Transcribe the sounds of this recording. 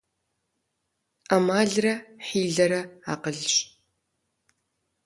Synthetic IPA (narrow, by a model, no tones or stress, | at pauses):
ɐmaːɮrɐħiːɮɐɾɐaːqəɮɕ